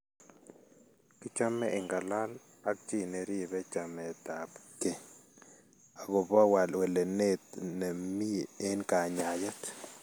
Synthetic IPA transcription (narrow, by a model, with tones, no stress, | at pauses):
kɪ˦t͡ʃa˦mɛ˦ɪ˨ŋɡa˨la˦l | a˦k̚t͡ʃi˦˨nɛ˨ɾi˦bɛ˦t͡ʃa˨mɛ˨t̪a˨pkɛ˨ | a˨ɡɔ˨ba˦wa˨lwɛ˨lɛ˨ne˦t̪nɛ˨mi˦˨e˦nka˨ɲa˨ja˦t̪